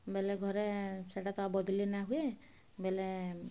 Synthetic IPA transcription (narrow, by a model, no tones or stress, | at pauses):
bɛlɛɡʱɔɾeseʈat̪ɔabɔd̪ʱilinaɦue | bɛle